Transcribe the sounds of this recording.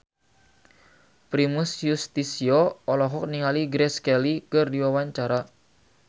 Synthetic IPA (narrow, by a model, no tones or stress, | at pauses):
pɾimʊsjust̪isiɔɔlɔɦɔk̚niŋaliɡɾɛskɛlikɨrdiwawaɲt͡ʃaɾa